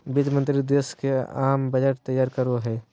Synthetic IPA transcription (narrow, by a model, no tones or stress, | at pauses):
bɪd͡ʒ̪mə̃nt̪ɾid̪eːskeaːmbɐd͡ʒəʈt̪əjːaːɾkəɾoɦɛː